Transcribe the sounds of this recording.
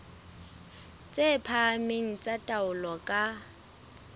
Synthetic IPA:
t͡sʼepʰameŋ̩t͡sʼatʼaʊlɔkʼa

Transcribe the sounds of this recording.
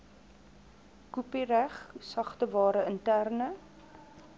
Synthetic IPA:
kupiræχsɐχtəvɑːɾəəntærnə

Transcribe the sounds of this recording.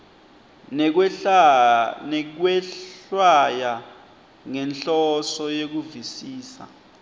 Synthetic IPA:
k̬wɛɬwaja | ŋɛnɬɔsɔjek̬uvisiːsa̰

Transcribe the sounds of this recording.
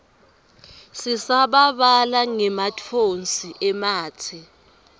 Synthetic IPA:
sisaɓaɓalaŋɛmatʰonsiʔɛmaːtʰɛ

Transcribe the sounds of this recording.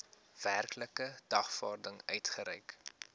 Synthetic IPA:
v̥ærkləkəd̥ɐχfɑːrdəŋœɥtχəɾɛjk

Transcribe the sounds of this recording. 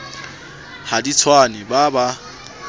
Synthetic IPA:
hadit͡sʰwanɪbaba

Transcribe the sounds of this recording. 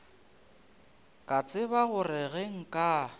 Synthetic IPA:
kʼat͡sʼɪbaɣʊrɛɣeŋ̩kʼa

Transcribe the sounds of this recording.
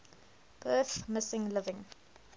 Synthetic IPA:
b̥ɜˑθmɪsɪ̃ŋlɪvɪ̃ŋ

